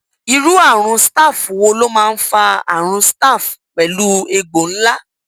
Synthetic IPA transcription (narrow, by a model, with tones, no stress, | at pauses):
i˧ɾu˦a˦˨ɾ̃ũ˧sta˦˨fu˨wo˧lo˦mãː˦˧n̩˦fa˧a̰˦˨ɾ̃ũ˧sta˦˨fk͡pɛ˨lu˦e˧ɡ͡bo˨ñ̩˦la˦